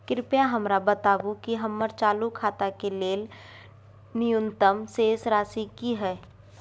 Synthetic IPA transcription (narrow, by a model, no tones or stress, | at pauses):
kɾɪpjaɦəmɾabət̪aːʋũkiɦəmːəɾt͡ʃaːlukʰaːt̪akeleːl | nɪjʊnt̪əmseːsɾaːsikiɦɛː